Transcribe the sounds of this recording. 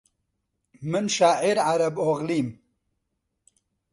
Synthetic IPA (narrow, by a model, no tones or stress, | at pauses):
mɨnʃaːʕiɾʕaɾɐboɣliːm